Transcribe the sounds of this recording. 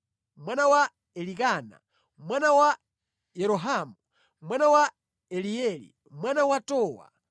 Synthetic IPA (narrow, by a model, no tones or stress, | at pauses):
mwanawa | ɛlikaːna̰ | mwanawa | jɛɾɔɦaːmu | mwanawa | ɛliɛlḭ | mwanawatɔːwa̰